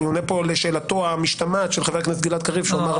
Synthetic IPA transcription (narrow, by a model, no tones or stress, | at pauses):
ionepo̞leʃe̞ːlat̪oamiʃt̪amatʃelχave̞knesɡilat̪kaʁivʃuamaʁ